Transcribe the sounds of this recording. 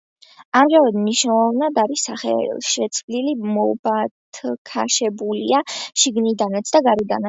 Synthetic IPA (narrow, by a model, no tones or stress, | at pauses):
amʒamɛd̪mniʃnɛlˠɔvnad̪aɾisːaχɛ̰ʃɛt̪sʰvlilimɔbat̪ʰkʰaʃɛbulḭaʃiɡnid̪anat̪sʰd̪aɡaɾid̪ana